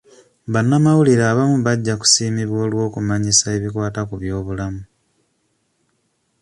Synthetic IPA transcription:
βanːamawuliɾaːβamuβaɟːaku̥siːmiβwo̞ːlwo̞ːkumaɲisae̞βikwaːtakuβjo̞ːβulamu

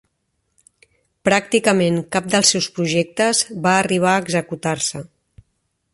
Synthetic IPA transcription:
pɾak̚t̪ikəmeŋkap̚d̪əlˠsɛwspɾuʒɛk̚t̪əzβaːriβ̞aːɡzəkut̪aɾsə

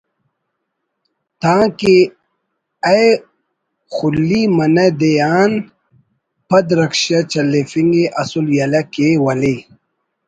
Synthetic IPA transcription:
t̪ãːke | ɐj | xulːimɐnɐd̪ejaːn | pɐd̪ɾɐkʃɐt͡ɕɐlefiŋɡeʔɐsuljɐlɐkewɐle

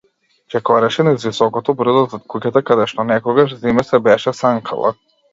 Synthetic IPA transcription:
t͡ʃɛkɔɾɛʃɛnɛzvisɔkɔt̪ɔbɾ̩d̪ɔzat̪kucat̪akad̪ɛʃt̪ɔnɛkɔɡaʃzimɛsɛbɛʃɛsaŋkʰa̰lˠa̰

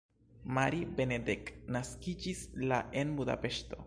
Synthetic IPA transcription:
maɾibe̞nedeknaskid͡ʒislaʔe̞nbuda̰pe̞ʃto̞̰

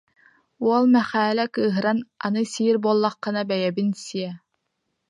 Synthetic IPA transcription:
uɔlˠmɛχæːlɛkɯːɦɯɾananɯsiːɾbuɔlˠːɑqːɯ̆nabɛjɛbinsiɛ

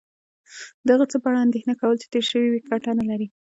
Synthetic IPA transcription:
d̪aɣat͡səpəaɽaand̪exnakawəlt͡ʃe̥t̪eɾʃəwiwikʰaʈanalaɾi

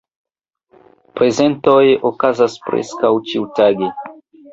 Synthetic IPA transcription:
pɾezent̪ojeʔokazaspɾḛskawt͡ʃiwt̪aɡe

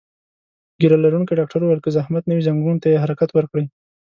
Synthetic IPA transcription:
ɡiɾalaɾunkiɖɑk̚ʈaɾowalkezahmat̪nawizaŋɡunt̪ajeɦaɾakat̪wəɾkɽəj

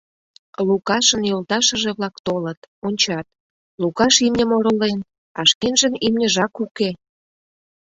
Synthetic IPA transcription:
lukɑʃə̆njolt̪ɑʃə̆ʒeβlɑkt̪olət̪onʲt͡ɕɑt̪̚ | lukɑʃimnʲə̆moɾolen | ɑʃkenʒənimnʲəʒɑkuke

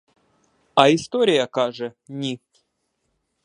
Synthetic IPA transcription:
aist̪oɾʲɪjakaʐɨnʲi

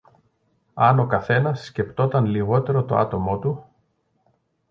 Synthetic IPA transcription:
ɐno̞kɐθe̞nɐsːce̞pt̪o̞t̪ɐnliɣo̞t̪e̞ɾo̞t̪o̞̰ɐ̰t̪o̞mo̞t̪u

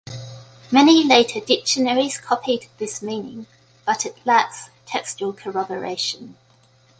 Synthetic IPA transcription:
mɛnileɪtʰədɪk̚ʃənəɹiz̥kʰɒpʰidðɪsmĩːnɪ̃ŋ | b̥ʌtʰəʔʰlaˑtstʰɛkst͡ʃuəlˠkʰəɹɒbəɹḛɪʃə̃n

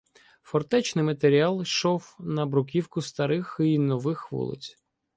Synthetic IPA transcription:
fɔrt̪ɛt͡ʃnɪjmɐt̪eɾʲiɑlˠʃɔwnɐbɾʊkʲiwkʊst̪ɐɾɪxinɔʋɪxʋɔ̰lˠɪ̰t͡sʲ

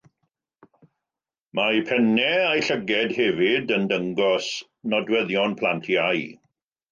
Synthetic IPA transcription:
majpʰɛnɛajɬəɡɛdhɛvɪdəndəŋɡɔs | nɔdwɛðjɔnpʰl̥ˠantʰjaj

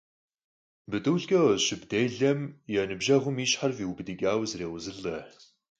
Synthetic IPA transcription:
bɨdɨwɮɡɐʃɪbd̥eːɮɐmjɛnɨbʒɐʁʷʊmiːʃħarviːwbɨdiɡʲʼaːwzreːʁʷʊzɨɮɐ

